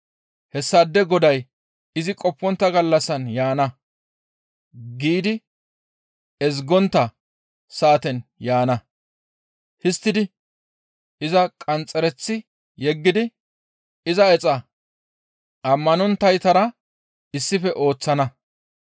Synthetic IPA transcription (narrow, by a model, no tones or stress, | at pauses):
hɛsːɐd̪ːɛɡɔd̪ɐj | ɪzɪkʼɔpːɔnt̪ːɐɡɐlːɐsːɐnjaːnɐ | ɡiːd̪ɪ | ɛz̬ɡɔnt̪ːɐ | saːt̪ɛnjaːnɐ | hɪst̪ːɪd̪ɪ | ɪzɐkʼɐnt͡sʼːɛɾɛt͡sːɪ | jɛɡːɪd̪ɪ | ɪzɐɛt͡sʼɐ | ɐmːɐnɔnt̪ːɐjt̪ɐɾɐ | ɪsːɪfɛʔo̞ːt͡sːɐnɐ